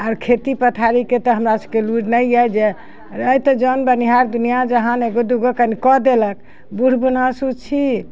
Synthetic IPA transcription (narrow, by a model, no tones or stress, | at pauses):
aɾkʰet̪ipət̪ʰaɾiket̪ɔɦəmɾasəbkeluɖnəjajd͡ʒe | ɾəjt̪ɔd͡ʒɔnbəniɦaɾd̪unijad͡ʒəɦãneɡod̪uɡəkənikɔd̪elək̚ | buɽ̤bunasut͡ʃʰi